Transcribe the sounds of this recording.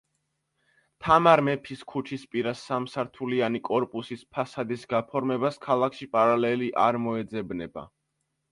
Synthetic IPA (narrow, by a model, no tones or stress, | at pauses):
t̪ʰamaɾmɛpʰiskʰut͡ʃʰispʼiɾasːamsaɾt̪ʰulianikʼɔɾpʼusispʰasad̪isɡapʰɔɾmɛbaskʰalˠakʰʃipʼaɾalɛliʔa̰ɾmɔɛd̪zɛbnɛba̰